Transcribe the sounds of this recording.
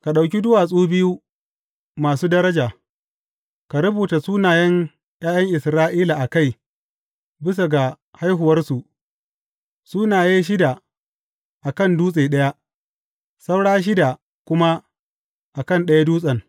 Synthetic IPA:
ka˨ɗa˨wk̬ʲi˦dʊ˦waː˨sʼuː˦bɪ˦ju˦ | maː˨suː˦dɐ˦ɾɐ˦d͡ʒaː˨ | ka˨ɾʊ˦buː˨ta˨suː˦naː˨jɐ˦ŋ | j̰aː˦jɐ˦ŋʔɪ˨sɾaː˦ʔiː˦la˨ʔa˨ka˦˨j | bɪ˦s̬a˨ɡa˨ | ha˦jɦʊ˨wɐ˦rsu˨ʔ | suː˦naː˨jeː˦ʃ̬ɪ˦da˨ | ʔa˨kɐ˦˨nduː˦sʼeː˨ɗɐ˦ja˦ | sa˦wɽaː˦ʃ̬ɪ˦da˨ | kʷʊ˦ma˦ | ʔa˨kɐ˦˨nɗɐ˦ja˦duː˦sʼɐ˨ŋ

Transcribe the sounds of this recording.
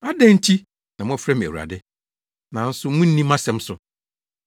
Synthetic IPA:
a˦dɛ̃˦n̩˦tʰi˦ | nã˨mʊ̃˦a˨fɾɛ˦m˨æ̰˨wu˨ɾa̰˨dɪ˦ | nã˨˦n̩˦sʊ˦mũ˦n̩˦nĩ˦mːã˦sɛ̃˦m˦sʊ˨

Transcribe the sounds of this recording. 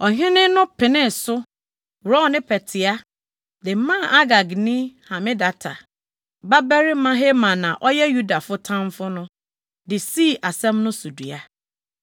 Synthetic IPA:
ɔ˨ɦɪ̃˦nɪ̃˦nʊ̃˦pʰɪ˨nɪ̃˦˨sʊ˦ | wɾɔ̃˦˨nɪ̃˦pʰɛ˨tʰɪ˨a˦ | dɪ˨m˦mã˦˨a˦ɡa˨ɡnĩ˦hã˨mɪ̃˦da˨tʰa̰˨ | ba˦bɛ˦ɾi˦mã˦ɦe˦mã˨nã˨ʔɔ˦jɛ˦ju˦da˨fʊ˦tʰã˦mfʊ˦nʊ̃˦ | dɪ˨si˦˨ʔa˨sɛ̃˦mnʊ̃˦su˨du˨a˨

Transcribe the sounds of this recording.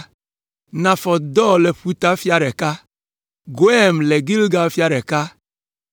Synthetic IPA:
nã˨fɔ˨d̪ɔ˦lɛ˨ɸi˦t̪a˦fja˦ɾɛ˨ka˦ | ɡo˨ɛ˦mlɛ˨ɡi˦lɡa˨˦fja˦ɾɛ˨ka˦

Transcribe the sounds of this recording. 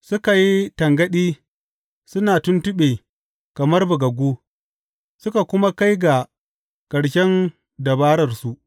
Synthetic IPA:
sʊ˦ka˨ji˦tɐ˨ŋɡɐ˦ɗiː˦ | sʊ˦naː˨tʊ˦ntʊ˦ɓeː˨ | kɐ˨mɐ˦rbʊ˨ɡɐ˨ɡʷoː˦ | sʊ˦ka˨kʷʊ˦ma˦ka˦jɡa˨ | kɐ˨ɽʃɛ˦n | dɐ˨baː˦ɾɐ˨rsu˦ʔ

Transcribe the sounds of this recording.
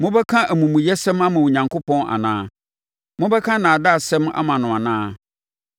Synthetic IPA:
mʊ̃˦bɛ˦kʰã˦ʔæ˨mũ˨mʊ̃˨jɛ˦sɛ̃˦ma˦mã˨wo˨ɲã˨ŋkʰʊ˦pʰɔ̃˦na̰˨nãː˦ | mʊ̃˦bɛ˦kʰã˦nãː˨da˦˨sɛ̃˦ma̰˦mã˨nʊ̃˨a˨nãː˦

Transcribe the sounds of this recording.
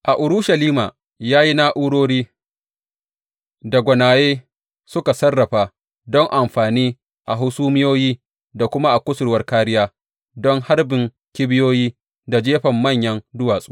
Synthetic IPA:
ʔa˨ʔʊ˨ɾʊ˦ʃa˨liː˦maː˨ | jaː˦ji˦na˦ʔu˦ɽoː˦ɽiː˦ | da˨ɡʷɐ˨naː˨jeː˦ | sʊ˦ka˨sɐ˦rːɐ˨ɸaː˨ | dɔ˦ŋʔa˨mɸaː˨niː˦ | ʔa˨ɦʊ˦suː˦mɪ˦joː˦jiː˦ | da˨kʷʊ˦ma˦ʔa˨kʷʊ˦sʊ˨ɾwɐ˦rkaː˦ɾɪ˦jaː˦ | dɔ˦ŋha˦rbɪ˨ŋ | kʲɪ˦bɪ˦joː˦jiː˦ | da˨d͡ʒeː˦ɸɐ˨mːɐ˦˨ɲjɐ˦ndʊ˦waː˨sʼuː˦

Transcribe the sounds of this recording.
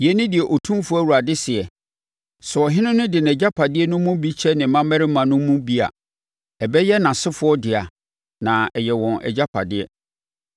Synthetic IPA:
jɛ˦nɪ̃˦dɪ˨ɛ˨ʔɔ˨tʰũ˦fʊ˦æ˦˨wu˨ɾa˨dɪ˦sɪ˨ɛ˨ | sʊ˨ɔ˨ɦɪ̃˦nʊ̃˦nʊ̃˦dɪ˨n˨ɛ˨d͡ʑa˦pʰa˨dɪ˦ɛ˦nʊ̃˦mũ˦bi˦t͡ɕʰɛ˦nɪ̃˨˦mã˦mɛ˦ɾɪ˦mːã˨nʊ̃˦mũ˦bi˦a̰˨ | ɛ˨bɛ˦jɛ˦nã˨sɪ˦fʊ˦ɔ˦dɪ˨a˨ | nã˨ɛ˨jɛ˨wɔ̃˨nʔɛ̰˨d͡ʑa˦pʰa̰˨dɪ˦ɛ˦

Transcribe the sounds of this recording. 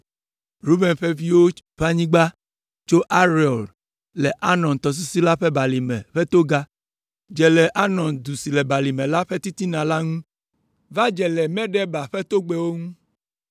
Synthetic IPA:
ɾu˦bɛ˨nɸɛ˦vi˦wo˦ɸa˦ɲĩ˦ɡ͡ba˦ | t͡ʃo˦ʔa˦ɾi˨ɔ˨l | lɛ˨ʔa˦nɔ̃˨nt̪ɔ˨s̬i˦si˦la˦ɸɛ˦ba˨li˨mɛ̰̃˨ɸɛ˦t̪o˦ɡa˦ | d͡ʒɛ˨lɛ˨ʔa˦nɔ̃˨nd̪u˨si˨lɛ˨ba˨li˨mɛ̃˨la˦ɸe˦t̪i˦t̪i˦nã˨la˦ŋũ˦ | va˦d͡ʒɛ˨lɛ˨mɛ̃˦ɖɛ˦ba˨ɸɛ˦t̪o˦ɡ͡be˦wo˦ŋũ˦

